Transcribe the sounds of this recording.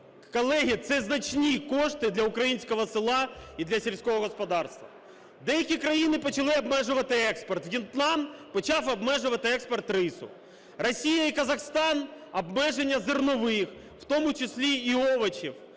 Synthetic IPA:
kɐlˠɛɦʲit̪sɛznɐt͡ʃnʲikoʂt̪ɪd̪lʲɐʊkɾɐjinʲsʲkɔɦɔsɪlˠɑid̪lʲɐsʲelʲsʲkɔɦɔɣɔspɐd̪ɑrst̪ʋɐ̰ | d̪ɛjɐkʲikɾɐjinɪpɔt͡ʃɐlˠɪɐbmɛʐʊʋɐt̪ɪɛkspɐrt̪ʋjʲɪnt̪lˠɑnpɐt͡ʃɑfɐbmɛʐʊʋɐt̪ɪɛkspɐrt̪rɪsʊ̰ | rɐsʲijɐikɐzɐxst̪ɑnɐbmɛʐenʲːɐzɪrnɔʋɪx | wt̪omʊt͡ʃɪsʲlʲiːɔʋɐt͡ʃiw

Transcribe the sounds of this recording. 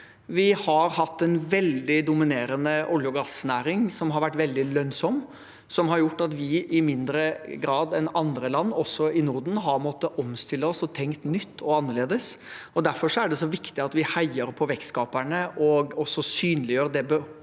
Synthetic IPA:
ʋɪhɑɾhɑt̪ːɛnʋɛld̪ɪd̪ʊmɪneːɾənəʔʊljʊɡɑsnæːɾɪŋsɔmɦɑɾʋæʈːʋɛld̪ɪlœnsɔm | sɔmɦɑɾjʊʈːɑt̪ʋɪʔɪmɪnd̪ɾəɡɾɑːd̪ɛnɑnd̪ɾəlɑnːɔsɔɪnʊɾɖ̪n̩ɦɑɾmɔt̪ːəʔɔmst̪ɪlːəɔsɔt̪ʰɛŋkt̪nʏt̪ːɔɑnːəɭeːd̪əsɔd̪æɾfɔʂɔæɖɛsɔʋɪkt̪ɪɑt̪ʋɪhæɪəɾpʰɔʋɛkskɑːpæɳəʔɔɡɔsːɔsyːnlɪjøːɾd̪ɛbə

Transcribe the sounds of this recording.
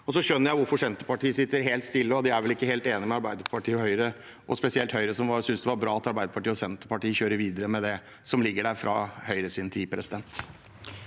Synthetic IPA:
ɔsɔʂœnːəɾjæɪʋʊɾfɔʂɛnt̪əpɑʈiːəsɪt̪ːəɾɦeːlt̪st̪ɪlːəɔd̪ɪæɾʋɛlɪkːəheːlt̪eːnɪmɛɑɾbæɪd̪əɾpʰɑʈʰiːɔhœʏɾə | ʔɔ̰spɛsɪɛlt̪hœʏɾəsɔmʋɑɾsʏnsd̪ɛʋɑɾbɾɑːɑt̪ɑɾbæɪd̪əpɑʈiːəɔsɛnt̪əpɑʈiːəçøːɾəɾʋiːd̪əɾəmɛd̪ɛ | sɔmlɪɡːəɖæɾfɾʔɑ̰hœʏɾəsɪnt̪ʰiːpʰɾɛsɪd̪ɛnt̪

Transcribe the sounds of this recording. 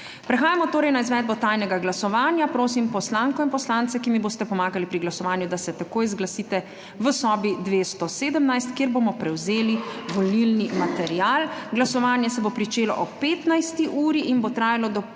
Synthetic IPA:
pɾɛxaːjamɔt̪oːɾɛjnaizʋɛːd̪bɔt̪aːjnɛɡaɡlasɔʋaːnjapɾoːsimpɔslaːŋkɔinpɔslant̪sɛkimiboːst̪ɛpɔmaːɡalipɾiɡlasɔʋaːnjud̪asɛt̪akoːjzɡlasiːt̪ɛ | ʋəsɔːbid̪ʋeːst̪ɔseːd̪əmnajst̪kjeɾboːmɔpɾɛwzeːliʋɔlilnimat̪ɛɾijaːlɡlasɔʋaːnjɛsɛbopɾit͡ʃeːlɔ̰ʔɔeːt̪najst̪iʔuːɾiʔinbot̪ɾaːjalɔd̪ɔ

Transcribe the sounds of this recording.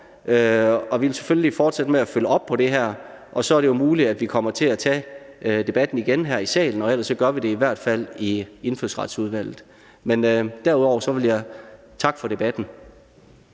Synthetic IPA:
øɒ̽ʋielseføljlifɒːd̥sed̥əmeæføləɒ̽b̥̚pʰɒ̽ɾ̥e̝ɦæɐ̰ | ʔɒ̽sɒ̽æɐɾe̝jo̝muːliæd̥ʋikʰɒ̽m̰ɐt͡sʰe̝æt͡sʰɛ̰ːd̥e̝b̥æd̥n̩iɡ̥enɦæɐ̰isɛ̰ːln̩ɒ̽el̰ɐsːɒ̽ɡ̥ɶɐʋiɾe̝iʋæɐ̰d̥fæl̰ie̝nføsʁɑ̈d̥suð̞ˠʋæl̰ð̩ˠ | menød̥æɐuðˠɒʊ̰ɐsɒ̽ʋeljɑ̈ɪ | t͡sʰɑ̈ɡ̥fɒ̽ɾe̝b̥æd̥n̩

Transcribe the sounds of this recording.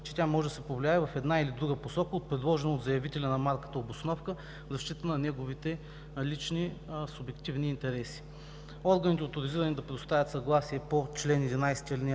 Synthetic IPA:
t͡ʃɛ̥t̪ʲamɔʒɛd̪ɐsɛpovlʲijaɛvɐfɛd̪nailid̪ɾuɡəposɔkəot̪̚pɾɛd̪lˠɔʒɛnəod̪zɐjɐvit̪ɛlʲɐnɐmaɾkə̥t̪əobosnɔfkə | vzɐʃt̪it̪ənɐnɛɡovit̪ɛ | lit͡ʃnisʊbɛkt̪ivniːnt̪ɛɾɛsi̥ | ɔɾɡənit̪ɛot̪ʊɾiziɾənid̪ɐpɾɛd̪ʊst̪avʲjɐt̪sɐɡlˠasiɛpot͡ʃlɛnɛd̪inajsɛ̥t̪iəlʲinʲ

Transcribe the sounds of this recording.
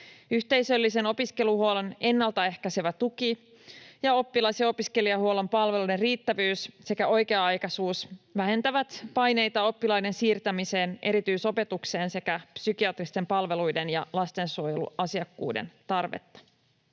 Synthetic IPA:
yçt̪e̞jsø̞lːise̞no̞piske̞luhuolene̞nːɑlt̪ɑe̞hkæseʋæt̪uki | jɑo̞pːilɑiseo̞piske̞liɑhuo̞le̞mpɑlʋe̞lude̞nriːt̪ːæʋyːsse̞kæʔo̞jke̞ɑɑjkɑsuːsʋæɦe̞nt̪æʋæt̪pɑjne̞jt̪ɑo̞pːilɑjde̞nsiːrt̪æmise̞ːnʔe̞ɾit̪yːso̞pe̞t̪ukse̞ːnse̞kæpsyk̟iɑt̪rist̪e̞mpɑlʋe̞lujde̞njɑlɑst̪e̞nsuojelṵɑsiɑkːṵːdḛnt̪ɑrʋḛt̪ːɑ̥

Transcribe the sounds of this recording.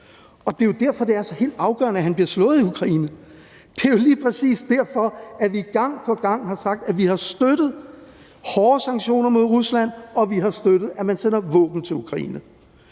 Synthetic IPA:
ɒ̽d̥e̝jo̝d̥æɐ̰fɒ̽d̥e̝æɐæsɒ̽he̝̰ːld̥ɑ̈ʊɡ̥ɶ̰ɐnəæɦænb̥liɐslɔ̽ːð̩ˠiukʰʁɑ̈ḭːnə | d̥e̝jo̝liːpʰʁɛsḭːsd̥æɐfɒ̽æʋiɡ̥ɑ̈ŋ̰pʰɒ̽ɡ̥ɑ̈ŋ̰hɑ̈sɑ̈ɡ̥̚d̥æʋihɑ̈sd̥ød̥ð̞̩ˠ | hɒːsɑ̈ŋɕo̝̰ːnɐmo̝ðˠʁuslæn̰ɒ̽ʋiɦɑ̈sd̥ød̥ɾ̥ð̩ˠæmænsen̰ɐʋɔ̰ːb̥n̩t͡sʰe̝lukʰʁɑ̈ḭːnə

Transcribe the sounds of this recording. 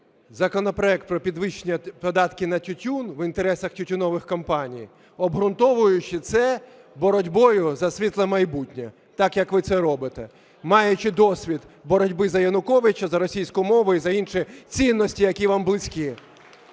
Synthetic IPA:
zɐkɔnɔpɾɔɛk̚t̪̚pɾɔpʲid̪ʋɪʃnʲipɔd̪ɑt̪kɪnɐtʲʊtʲunʋint̪eɾɛsɐxtʲʊtʲʊnɔʋɪxkɔmpɑnʲij | ɔbɦɾʊnt̪ɔʋʊjʊt͡ʃɪt̪sɛ | bɔɾɔdʲbɔjʊzɐsʲʋʲit̪lˠɐmɐjbutʲnʲɛ | t̪ɑkjɐkʋɪt̪sɛɾɔbɪt̪ɛ | mɑjʊt͡ʃɪd̪ɔsʲʋʲid̪bɔɾɔdʲbɪzɐjɐnʊkɔʋɪt͡ʃɐzɐɾɔsʲijsʲkʊmɔʋʊizɐinʃɪt͡sʲinːɔsʲtʲijɐkʲiʋɑmblˠɪsʲkʲi

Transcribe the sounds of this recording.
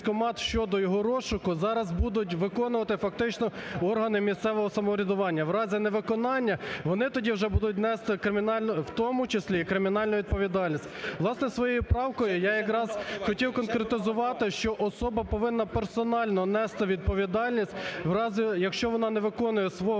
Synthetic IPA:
kɔmɑt̪ʃt͡ʃɔd̪ɔjɔɦɔɾɔʃʊkʊzɑɾɐzbud̪ʊtʲʋɪkɔnʊʋɐt̪ɪfɐk̚t̪ɪt͡ʃnɔɔrɦɐnɪmʲist̪sɛʋɔɦɔsɐmɔɾʲɐd̪ʊʋɑnʲːɐʋrɑzʲɪnɛʋɪkɔnɑnʲːɐʋɔnɪt̪ɔdʲiwʒɛbud̪ʊt̬ʲnɛst̪ɪkɾɪmʲinɑlʲnɔwt̪ɔmʊt͡ʃesʲlʲikɾɪmʲinɑlʲnʊʋʲid̪̚pɔʋʲid̪ɑlʲnʲisʲtʲʋlˠɑsnɛsʋɔjɔjʊpɾɑwkɔjʊjɑjɐkɾɑzxɔtʲiwkɔnkɾet̪ɪzʊʋɑt̪ɪʃt͡ʃɔʔɔsɔbɐpɔʋɪnːɐpersɔnɑlʲnɔnɛst̪ɪʋʲid̪̚pɔʋʲid̪ɑlʲnʲisʲtʲwɾɑzʲɪjɐkʃt͡ʃɔʋɔnɑnɛʋɪkɔnʊjɛsʋɔ

